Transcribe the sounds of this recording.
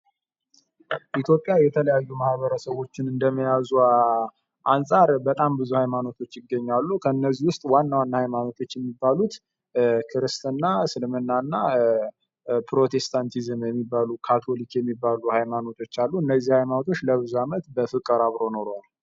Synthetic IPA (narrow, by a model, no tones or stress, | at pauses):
ʔit̪ʰjo̞pʼjajɛt̪ʰələjajːumahβəɾəsəwo̞t͡ʃːɪnɨnd̪əməjazu | ʔansʼaɾbət̪ʼambɨzuhajmano̞t̪ʰo̞t͡ʃːɪɡːəɲːalːukʰənːəziwʊst̪ʼwanːawanːahajmano̞t̪ʰo̞t͡ʃːjɛmːibːalut̪ | kʰɨɾɨst̪ɨnːasɨlmɨnːanːa | pʰɾo̞t̪ʰe̞st̪ʰant̪ʰizɨmjɛmːibːalukʰat̪ʰo̞likjɛmːibːaluhajmano̞t̪ʰo̞t͡ʃːalːuɨnːəzːihajmanot̪ʰo̞t͡ʃːləβɨzuamət̪bəfɨkʼːɨɾaβɾo̞noɾoal